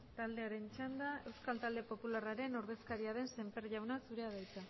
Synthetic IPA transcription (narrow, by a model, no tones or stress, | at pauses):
t̪ald̪e̞aɾe̞nt͡ʃand̪ae̞wskalt̪ald̪e̞po̞pularaɾe̞noɾðe̞skaɾiaðe̞nse̞mpe̞rʝawnasuɾe̞aðajt͡s̪a